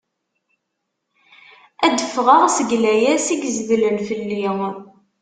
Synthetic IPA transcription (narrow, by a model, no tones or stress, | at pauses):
æd̪əfʁəʁsəɡlæjæsiɡəzvələnfəlːiʁ